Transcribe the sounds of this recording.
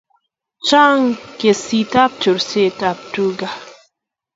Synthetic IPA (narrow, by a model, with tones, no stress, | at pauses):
t͡ʃa˦ŋke˨si˨t̪a˦p̚tu˨ɾse˦ta˨p̚tu˦ɡa˨